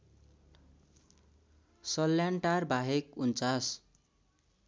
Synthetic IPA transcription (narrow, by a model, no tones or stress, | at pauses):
sʌlːjaɳʈarbʱaɦekunt͡sas